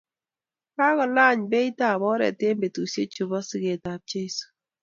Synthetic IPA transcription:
ka˦kɔ˨la˦˨ɲbe˦i˦ta˦˨bɔ˦ɾɛ̰˨te˦mbe˨tu˨sje˦t͡ʃu˨bɔ˦sɪ˦ɡe˨ta˨p̚t͡ʃe˦i˦su̥˨

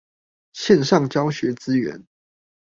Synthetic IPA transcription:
ɕjɛ˥˨nʂɑ˥˨˩ŋt͡ɕjɑ˥˦ʊɕɥɛ˨˦t͡sɹ̩˦ɥɛ̰˨˧˦n

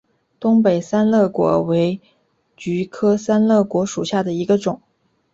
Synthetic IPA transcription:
t̪ʊ˥ŋpe˨˩ɪsa˥nlɤ˥˩kwɔ̰˧˥we˧˥ɪ | t͡ɕy˧˥kʰɤ˥sa˥nlɤ˥˩kwɔ˧˥ʂu˨˩ɕja˥˩d̪ə˩i˧˥ɡə˧ʈ͡ʂʊ˨˩˦ŋ

